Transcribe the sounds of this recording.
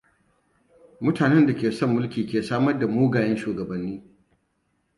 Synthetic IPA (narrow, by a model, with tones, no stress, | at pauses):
mʊ˦taː˨nɛ˦nda˨kʲeː˨sɔ˦mːʊ˦lkʲiː˨kʲeː˨saː˦mɐ˦rda˨moː˦ɡaː˨jɛ˦nʃuː˨ɡɐ˨bɐ˨nːiː˦